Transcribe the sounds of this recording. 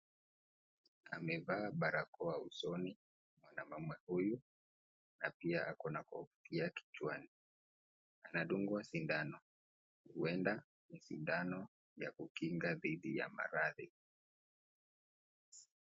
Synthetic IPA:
a̰mɛvaːɓaɾakɔausɔni | mwanamamwɛhuju | na̰piaʔakɔnakɔ̰vu̥tʰiaki̥t͡ʃwani | anaɗuŋɡuasindanɔ | huɛnda | misḭndanɔ | ja̰kukiŋɡaðiɗija̰ma̰ɾaði

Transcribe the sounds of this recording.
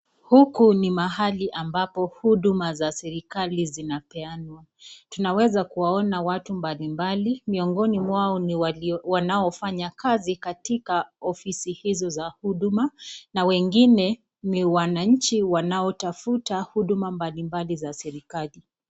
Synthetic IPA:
hukunimaɦaliʔambapɔhuɗumazasɛɾikalizinapɛanwatunawɛzakuwaɔnawatumbalimbalimiɔŋɡɔnimwaɔ | wanaɔfaɲakazikatikaɔfisihizɔzahuɗumanawɛŋɡinɛ | niwanaɲ̩t͡ʃiwanaɔtafutahuɗumambalimbalizasɛɾikali

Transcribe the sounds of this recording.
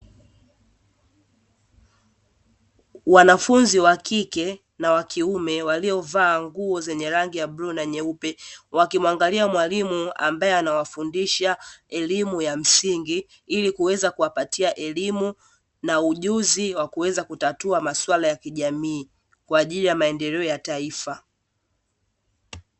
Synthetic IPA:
wanafunziwakikɛ | nawakʰiumɛwaliɔvaːŋɡuɔzɛɲɛɾaŋɡijaɓɾunaɲɛupɛwakimwaŋɡaliamwalimua̰mbaɛanawafundiʃaɛlimujam̩siŋɡi | ilikuwɛzakuwapatiaʔɛlimu | nauʄuziwakuwɛzakutatuamaswalajakiʄamiː | kwaːʄilijamaɛndɛlɛɔjataifa

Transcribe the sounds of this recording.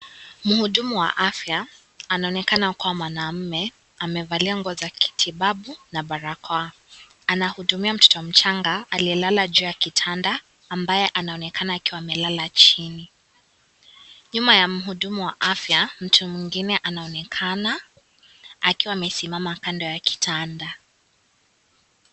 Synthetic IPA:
muhuɗumuwa̰ʔafja | anaɔnɛkanakawamwanam̩mɛ | amɛvaliaŋɡɔzakʰi̥tʰiɓaɓunaɓaɾakʰa | anahuɗumiam̩tɔ̥tɔm̩t͡ʃaŋɡaaliɛlalad͡ʒuːjakitʰandaː | mbajɛʔanaɔnɛkʰanaːkiwaːmɛlalat͡ʃini | ɲumajam̩ɦuɗumuwaʔafjam̩tʰumwiŋɡinɛʔanaɔnɛkʰanaː | kiwaːmɛsimamakandɔjaki̥tʰanda

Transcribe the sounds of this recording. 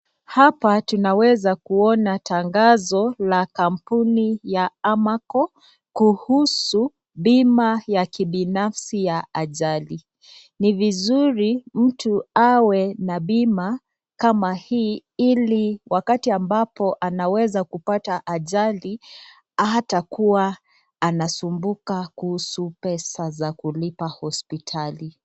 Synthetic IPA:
hapatunawɛzakuɔnataŋɡazɔlakam̩punijaamakɔ | kuhusu | bimajakiɓinafsijaaʄali | nivizuɾim̩tuawɛnaɓima | kamahiːiliwakatiambapɔʔanawɛzakupataʔaʄali | atakuwaː | nasumbukakuhusupɛsazakulipahɔspitʰali

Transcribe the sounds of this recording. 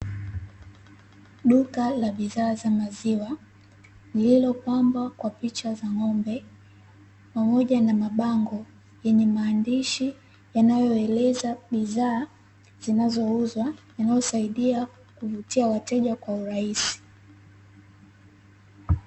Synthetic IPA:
ɗukalaɓiðaːzamaziwa | nililɔpambwakwapit͡ʃazaŋɔmbɛ | pamɔʄanamaɓaŋɡɔ | jɛɲɛmaːndiʃi | janajɔɛlɛzaɓiðaː | z̥inazɔuzwajanajɔsaiɗia | kuvutiawatɛʄakwauɾaisi̥

